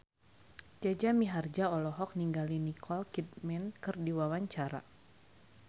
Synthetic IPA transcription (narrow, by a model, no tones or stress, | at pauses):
d͡ʒad͡ʒamiɦard͡ʒaɔlɔɦɔk̚niŋɡalinikʰɔlkit̪̚mɛnkɨrdiwawaɲt͡ʃaɾa̰